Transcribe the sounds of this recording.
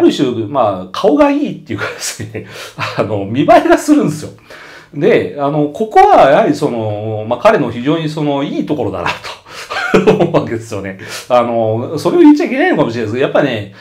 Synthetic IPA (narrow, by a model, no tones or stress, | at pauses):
ɾɯ̟ɕɨːmakʰao̞ɡaiːt̪ːe̞iɯ̟kḁd̪̥e̞̥sɨ̥neano̞mʲibaiɡasɨɾɯ̟̃nd̪esɨjo̞ | d̪e̞ano̞ko̞ko̞βajahaɾʲiso̞no̞makaɾe̞no̞çiʑo̞ːɲ̟iso̞no̞iːt̪o̞ko̞ɾo̞d̪a̰na̰t̪o̥ | ãnd̪e̞sɨjo̞ne̞ano̞so̞ɾe̞ojɯ̟t͡ɕːaik̬ʲe̞nainokamoɕiɾeneskajapːaɾʲine